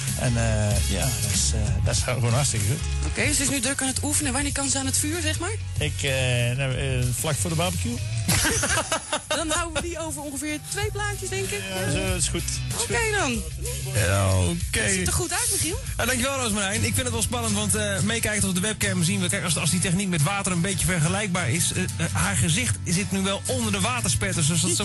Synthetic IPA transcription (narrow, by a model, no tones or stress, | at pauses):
ʔɛ̰nəja̰dɔtsdɔɪsxoːnhaɹstɪkəxutʔo̰wkejdsɪsnydrøkaːnətufənənʋanɪːkɑnsəaːnətfyːɹzɛχmaːɹ | ɪkənaflakfoːdəbabəkju | dɔnawəʋdiowvərɔ̃ŋχəfɪːɹtʋejplaːtjəsdɛŋkɪkɪsxutokejdɔn | oketəχutœɥtməsin | adɑŋkjəʋɛlˠrowsməɾɛjnɪkfɪndətʋɛlˠspɑnəntʋɑntəmejkɛjkəntɔfdəʋɛp̚kɛməs̬inʋɛkɛjksɑsditɛχnik̚mɛtʋaːtərənbejəfɛɹχəlɛjk̚baːɹɪshaːɹχəzɪχtzɪtnyʋɛlˠɔndəɹdəʋaːtəɹspɛtəɹs̬døsdɔ